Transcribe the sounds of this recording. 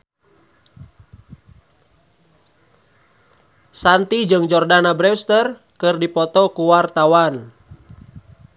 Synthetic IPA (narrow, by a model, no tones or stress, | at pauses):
sant̪id͡ʒɨŋd͡ʒɔrdanabɾɛwst̪ər | kɨrdipɔt̪ɔkuwart̪awan